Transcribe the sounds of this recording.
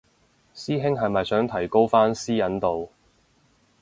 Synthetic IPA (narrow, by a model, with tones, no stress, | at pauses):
siː˥ɦɪ˥ŋɦɐ˨jmɐ˨jsœː˨˥ŋt̪ʰɐ˨˩jko˥wfaː˥nsiː˥jɐ˨˥nt̪o˨w